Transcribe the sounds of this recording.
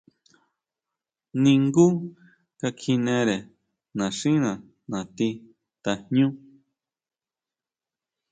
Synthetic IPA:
nĩ˧ŋɡu˦ | ka˧kʰi˧nẽ˧ɾe˨ | nã˨ʂĩ˦nã˨ | nã˨t̪i˧ | t̪a˨hɲũ˦

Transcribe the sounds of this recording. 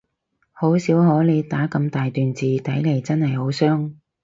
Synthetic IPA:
ho˨˥wsiː˨˥wɦɔː˨˥le˨˧jt̪aː˨˥kɐ˧mt̪aː˨jt̪yː˨nt͡siː˨t̪ɐ˨˥jle˨˩jt͡sɐ˥nhɐ˨jho˨˥wsœː˥ŋ

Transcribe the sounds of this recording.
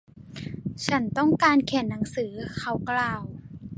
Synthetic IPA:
t͡ɕʰa˦˥nt̪ɔ˥˩ŋkaː˧nkʰɛ˨˩˦nːa˩˦ŋsɯː˩˦kʰa˧˦wklaː˨w

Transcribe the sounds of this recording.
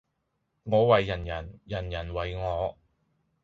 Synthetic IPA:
ŋɔː˨˧wɐ˨jːɐ˨˩njɐ˨˩njɐ˨˩njɐ˨˩nwɐ˨jŋɔː˨˧

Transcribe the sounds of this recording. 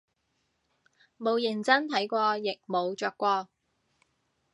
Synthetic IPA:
mo˨˧wjɪ˨˩ŋt͡sɐ˥nt̪ʰɐ˨˥jkʷɔː˧jɪ˨k̚mo˨˧wt͡ʃœː˧kːʷɔː˧

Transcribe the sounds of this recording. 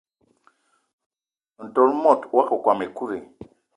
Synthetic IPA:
n̩˨tɔ˨ɾmɔ˦˨twa˦kɔ˨kwa˨me˨ku˦ɾe˨

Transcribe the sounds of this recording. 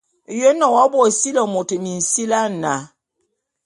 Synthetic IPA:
jo˦nɔ˨wa˦bwɔ˨si˦lɔ˨mo˨te˨mi˨n̩˨si˦la˦˨na˨

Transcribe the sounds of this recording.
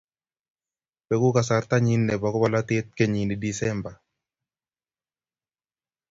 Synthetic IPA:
pe˦ku˦ka˨sa˨rt̪a˦ɲi˦nːɛ˨bɔ˨kɔ˦ba˦la˦t̪ɪ˦t̪̚ke˦ɲi˨ni˨di˨sɛ˦mba˨

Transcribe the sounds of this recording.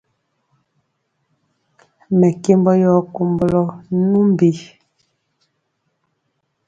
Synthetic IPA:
mɛ˨ke˦mbɔ˦jɔ˦ko˨mbɔ˦lɔ˦nu˦m˦bi˨˦

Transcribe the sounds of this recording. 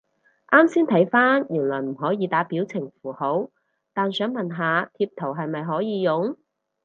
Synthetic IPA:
ʔaː˥msiː˥nt̪ʰɐ˨˥jfaː˥njyː˨˩nlɔː˨˩jm̩˨˩ɦɔː˨˥jiː˨˧t̪aː˨˥piː˨˥wt͡sʰɪ˨˩ŋfuː˨˩ho˨˥w | t̪aː˨nsœː˨˥ŋmɐ˨nɦaː˨t̪ʰiː˧p̚t̪ʰo˨˩wɦɐ˨jmɐ˨jɦɔː˨˥jiː˨˧jʊ˨˧ŋ

